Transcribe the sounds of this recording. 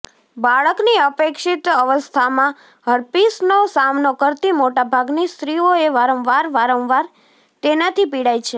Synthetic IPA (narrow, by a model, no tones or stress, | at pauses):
baɭəkniəpekʃit̪əʋəst̪ʰamã | ɦəɾpisnosamnokəɾt̪imoʈabʱaɡnist̪ɾioeʋaɾə̃wʋaɾʋaɾə̃wʋaɾ | t̪enat̪ʰipiɽajt͡ʃʰe